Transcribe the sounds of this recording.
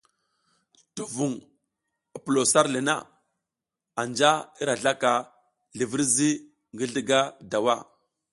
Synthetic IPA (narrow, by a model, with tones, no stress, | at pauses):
tu˨vu˨ŋ | i˨pu˨lo˨sa˦ɾli˨na̰˦ | a˨nd͡ʒa˦i˦ɾa˨ɮa˦ka˨ | ɮi˨vi˦ɾzi˦ | ŋɡi˦ɮi˦ɡa˦da˨wa˦˨